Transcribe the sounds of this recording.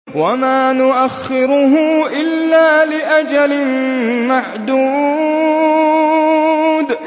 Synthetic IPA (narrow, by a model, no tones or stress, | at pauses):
wamaːnʊʔaxːɪɾʊɦʊʔɪlːaːlɪʔad͡ʒalɪmaʕd̪uː | d̪